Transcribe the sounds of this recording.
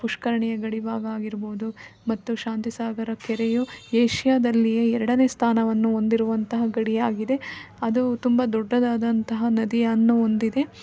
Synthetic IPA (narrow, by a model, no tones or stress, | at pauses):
puʂkɐɾɐɳɛjɐɡɐɽibaːɡaːɡiɾboːd̪umɐt̪ːuʃaːnt̪isaːɡɐɾɐkɛɾejueːʃjaːd̪ɐlːijeɛɾɐɽɐne̞ːst̪ʰaːnɐʋɐnːuo̞nd̪iɾuʋɐnt̪ɐɦɐɡɐɽijaːɡid̪e̞ | ɐd̪ut̪umbɐd̪ɔɖːɐd̪aːd̪ɐnt̪ɐɦɐnɐd̪ijɐnːuond̪id̪e̞